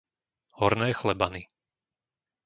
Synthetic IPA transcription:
hɔɾnɛːxlɛbani

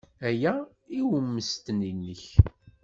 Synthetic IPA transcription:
æjæ | iwəmːəst̪ninːəç

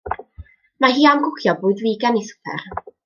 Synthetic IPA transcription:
maɦiːamɡʊkʰjɔbʊːɨdviːɡanisʊ̥pʰɛ̰r

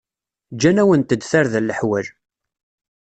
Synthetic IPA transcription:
d͡ʒænæwənt̪əd̪θaɾðlːəħwæl

